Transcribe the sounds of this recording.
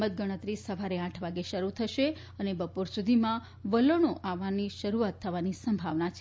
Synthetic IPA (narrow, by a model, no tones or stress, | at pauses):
ət̪̚ɡəɽ̃ət̪ɾisəʋaɾeãʈʰʋaɡeʃəɾut̪ʰəʃe | ənebəpuɾsud̪ʱimã | ʋələɽ̃oʔaʋaniʃəɾuat̪ʰːəʋanisəmbʱaʋnat͡ʃʰ